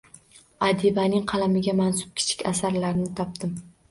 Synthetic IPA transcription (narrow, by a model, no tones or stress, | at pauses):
ad̪ibanɪŋqʰɑlamɪɡʲamansʊ̥p̚kʲʰɪ̥t͡ʃʰɪ̥kʲasaɾlaɾɪnɪt̪ʰɒp̚d̪ɪm